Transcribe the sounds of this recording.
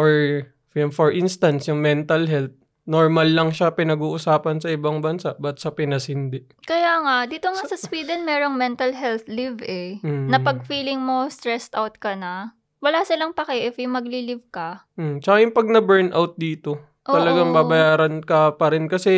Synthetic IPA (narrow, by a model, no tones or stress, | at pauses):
ʔoɹ | jʊŋfoɹʔinst̪ɐnsjʊŋmɛnt̪ɐlɦɛlt̪̚ | noɹmɐlːɐŋʃapɪnɐɡuːʔʊsaːpɐnsɐʔɪbaŋbɐnsaʔbɐt̪sɐpɪnɐsɪnd̪ɪʔkɐjaːŋaʔd̪iːt̪oŋasɐswiːd̪ɛnmɛːɾoŋmɛnt̪ɐlɦɛlt̪lɪvʔɛnɐpɐɡ̚fiːlɪŋmo̞st̪ɾɛst̪awt̪̚kɐnɐ | wɐlaːsɪlɐŋpɐkɐʔɪfjʊŋmɐɡlilɪvkɐ | t͡ʃɐkajʊŋpɐɡ̚nɐbɛɹnʔawt̪̚d̪iːt̪o̞ | ʔoːɐlɐɡaŋbabɐjaːɾɐnkɐpɐɾɪnkɐsɛ